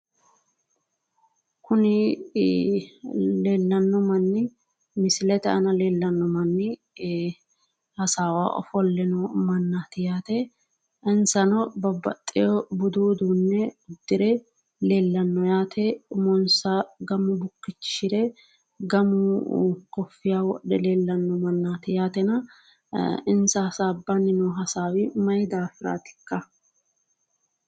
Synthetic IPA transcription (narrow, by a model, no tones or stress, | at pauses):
kʊnɪ | leːlːɐnːɔmɐnːɪ | mɪsɪlɛt̪ɛɐnɐleːlːɐnːɔmɐnːɪ | hɐsaːwa̰ːʔɔ̰fɔlːɪnɔmɐnːat̪ɪjaːt̪ɛ | ɛnsɐnɔbɐbːɐ̰t̪ʼːɪjɔbʊd̪uːd̪uːnːɛʊd̪ːɪɾɛ | leːlːɐnːɔjaːt̪ʰɛmɔnsɐɡɐmʊbʊkːɪt͡ʃːʃɪɾɛ | ɡɐmʊkɔfːɪjaːwɔ̰ɗɛleːlːɐnːɔmɐnːaːt̪ɪjaːt̪ɛnɐ | ɪnsɐɐsaːbɐnɪnɔɦɐsaːwɪmɐjd̪aːfɪɾa̰ːt̪ɪ̥kːɐ